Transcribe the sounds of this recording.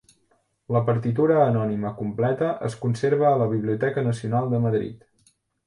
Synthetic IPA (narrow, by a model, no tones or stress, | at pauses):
ləpəɾt̪it̪uɾəːnɔniməkumplɛt̪əʔə̰skunseɾβəːləβiβliut̪ɛkənəsiunalˠd̪əməðɾḭt̪